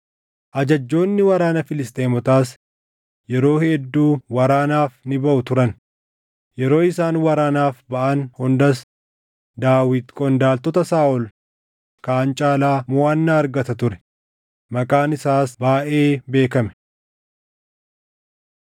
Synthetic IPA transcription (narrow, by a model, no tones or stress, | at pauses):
ʔɐd͡ʒɐd͡ʒːo̞ːnːɪwɐɾaːnɐfɪlɪst̪ʼeːmɔt̪aːs | jɛɾo̞ːhɛd̪ːuːwɐɾaːnaːfnɪbɐʔʊt̪ʊɾɐn | jɛɾo̞ːɪsaːnwɐɾaːnaːfbɐʔɐnhʊnd̪ɐs | d̪aːwɪt̪kʼɔnd̪aːlt̪ɔt̪ɐsaːʔɔl | kaːnt͡ʃʼaːlaːmʊwaːnːaːɐɾɡɐt̪ɐt̪ʊɾɛ̥ | mɐkʼaːnɪsaːsbaːʔe̞ːbe̞ːkɐmɛ̥